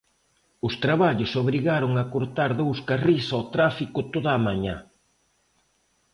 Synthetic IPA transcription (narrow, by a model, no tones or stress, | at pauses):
ʊst̪ɾaβaʎʊsoβɾiɣaɾʊŋakoɾt̪aɾðowskarisot̪ɾafikʊt̪oðaːmaɲa